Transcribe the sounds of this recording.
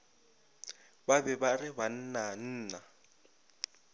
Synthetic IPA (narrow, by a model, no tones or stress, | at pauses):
babɛbarɪban̩nan̩ːna